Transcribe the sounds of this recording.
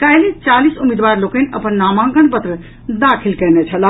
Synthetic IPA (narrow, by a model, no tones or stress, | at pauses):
kajlẽt͡ʃalisumid̪baɾlokənʔəpənːamãɡəɳpət̪ɾə | d̪akʰilkɛnet͡ʃʰəla